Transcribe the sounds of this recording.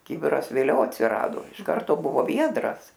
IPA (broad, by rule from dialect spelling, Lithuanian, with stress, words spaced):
ˈkʲɪbʲɪrɐs ʋʲeːˈlʲɛʊ ɐtʲsʲɪˈrɑːdoː ɪʃ ˈkɐrtoː ˈbʊʋoː ˈʋʲiɛdrɐs